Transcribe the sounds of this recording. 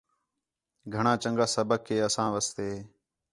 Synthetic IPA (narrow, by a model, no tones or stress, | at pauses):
ɡʱəɳãːt͡ʃəŋɡaːsəbəkʰːeːəsãːʋəst̪eː